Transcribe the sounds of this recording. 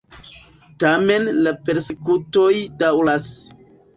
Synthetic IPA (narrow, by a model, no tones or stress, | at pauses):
tame̞nlape̞ɾsekuto̞jdawlas